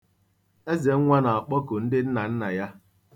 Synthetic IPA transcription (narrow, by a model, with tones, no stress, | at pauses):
e˦ze˨˦ŋ̩˦ŋʷa˦na˨ɔ˨k͡pɔ˦kʊ˨n̩˦dɪ˦n̩˦na˨n̩˦na˨ja˦